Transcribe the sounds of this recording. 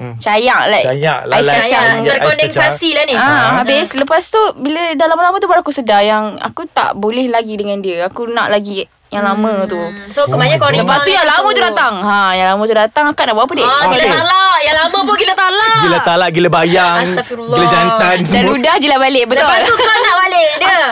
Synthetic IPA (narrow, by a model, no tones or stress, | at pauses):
t͡ʃajaʔlajkjaʔlaisat͡ʃaəɔdɛŋsasilaniaɦabisləpast̪ubilədalaməlamət̪ubaɾakusədahjaŋa̰kut̪a̰ʔbolɛhlaɡidəŋãndiəakuna̰ʔlaɡi | jaŋlamə̃t̪usokəbaɲakonləpast̪ujaŋlamə̃t̪udat̪aŋɦajaŋlamə̃t̪udat̪aŋakanaʔbawʔp̬ədiəmaalaʔjaŋlamə̃puɡilat̪alaɡilat̪alaʔɡiləbajaŋafiɾlɡilad͡ʒant̪ansdanludahd͡ʒilahbalɪʔbət̪ʊalukanaʔbaleʔdiə